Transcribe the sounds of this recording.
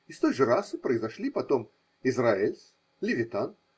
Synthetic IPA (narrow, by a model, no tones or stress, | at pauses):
ɪst̪ojʐɨɾasɨpɾəɪzɐʂlʲipɐt̪om | ɪzraɪlʲs | lʲɪvʲɪt̪an